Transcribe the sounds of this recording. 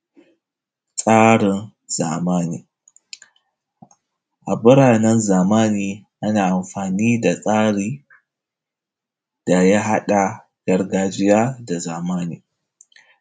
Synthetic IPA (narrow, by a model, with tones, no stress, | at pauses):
sʼaː˦ɽɪ˨n | z̥aː˨maː˦niː˨ | ʔa˨bɪ˦ɽaː˨nɛ˦nzaː˨maː˦niː˨ʔa˦naː˨ʔa˨mɸaː˨niː˦da˨sʼaː˦ɽiː˦ | d̥a˨ja˦ɦa˦ɗa˨ | ɡ̥ɐ˦rɡaː˦d͡ʒɪ˦jaː˦da˨zaː˨maː˦niː˨